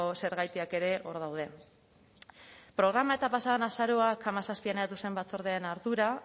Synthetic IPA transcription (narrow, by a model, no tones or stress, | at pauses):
ose̞ɾɣajt̪iake̞ɾe̞ʔo̞ɾðawð̞e̞ | pɾo̞ɣ̞ɾamae̞t̪apasaðanasaɾo̞akʰamasaspianajðat̪usembat͡so̞ɾðeaenaɾðuɾa